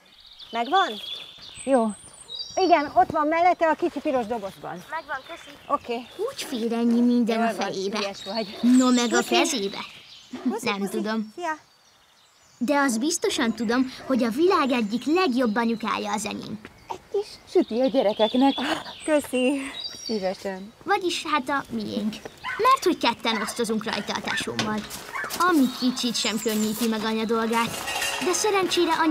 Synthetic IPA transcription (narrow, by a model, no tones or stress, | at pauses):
mɛɡʋɒnjoː | iɡɛno̞t̪ʋɒmːɛlːɛt̪ːɛɒkit͡ʃipiɾo̞ʒd̪o̞bo̞ʒbɒ̰nɛɡʋŋøsiʔokeːuːcfeːɾɛɲːimind̪ɛnɒfɛjeːbɛ | nomɛɡɒkɛzeːbɛ̰ | nɛmt̪ud̪o̞mj | d̪ɛɒzbist̪o̞ʃɒnt̪ud̪o̞mho̞ɟɒvilaːɡɛɟːiklɛɡjo̞bːɒɲuka̰ːjːɒːzɛ̰ɲḛːŋ | ɛɟkiʃʃyt̪iɒɟɛɾɛkɛknɛkkøsisiːvɛʃɛnvɒɟiʃhaːt̪ɒmijḛːŋkmɛrt̪hockɛt̪ːɛno̞st̪o̞zuŋkrɒ̰jt̪ɒ̰lt̪a̰ːʃo̰ːmːɒlɒmikit͡ʃit̪ʃɛmkøɲːiːt̪imɛɡɒɲɒd̪o̞lɡaːt̪d̪ɛsɛɾɛnt͡ʃeːɾɛʔɒ